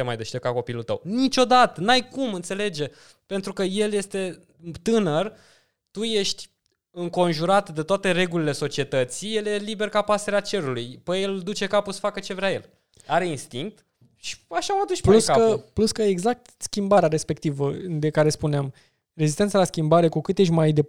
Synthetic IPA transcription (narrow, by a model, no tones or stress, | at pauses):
emajd̪eʃt̪ekako̞pilult̪ə̰wnit͡ʃo̞d̪at̪ənajkumɨnt̪se̞le̞d͡ʒe̞ | pe̞nt̪ɾukəje̞lje̞st̪e̞ | t̪ɨnər | t̪uje̞ʃt̪ʲ | ɨŋko̞nʒuɾat̪d̪et̪oat̪e̞ɾe̞ɡulile̞so̞t͡ʃie̞t̪ət̪sije̞lje̞libe̞rkapase̞ɾeat͡ʃe̞ɾulujpəje̞ld̪ut͡ʃe̞kapusə̥fakət͡ʃe̞vɾʲaje̞l | aɾe̞inst̪iŋk̚t̪ | ʃi̥aʃamat̪uʃt͡ʃpluskaəpluskəeɡzak̚t̪skʲimbaɾeaɾe̞spe̞k̚t̪ivəd̪e̞kaɾe̞spuneam | rezist̪ensalaskʲimbaɾe̞kukɨt̪jeʃ̬ʲmajd̪e